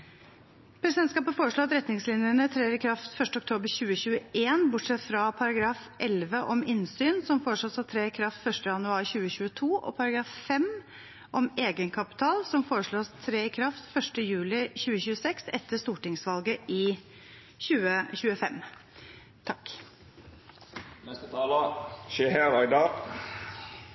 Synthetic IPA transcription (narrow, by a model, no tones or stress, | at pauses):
pʰɾɛsɪd̪ɛnt̪skɑːpəfoːɾəʂɭoːɑt̪ɾɛt̪nɪŋslɪnjəɳət̪ʰɾeːɾɪkʰɾɑft̪fœʂʈəɔk̚t̪ʰoːbəɾɕʉːəɕʉːəʔeːnbʊʈʂɛt̪fɾɑpʰɑɾɑɡɾɑːf | ʔɛlʋəʔɔmɪnsyːnsɔmfoːɾəʂɭoːsɑt̪ʰɾeːɪkʰɾɑft̪fœʂtʈəjɑnʉɑːɾɕʉːəɕʉːət̪ʰuːʔɔ̰pʰɑɾɑɡɾɑːffɛm | ʔɔmeːɡənkʰɑpɪ̥t̪ʰɑːlsɔmfoːɾəʂɭoːst̪ʰɾeːɪkʰɾɑft̪fœʂʈəjʉːlɪɕʉːəɕʉːəsɛksɛt̪ʰːəst̪uːʈɪŋsʋɑlɡəʔɪ | ɕʉːəçʉːəfɛm | t̪ʰɑkː | nɛst̪ət̪ʰɑːləʃeːhæːɾɑɪd̪ɑː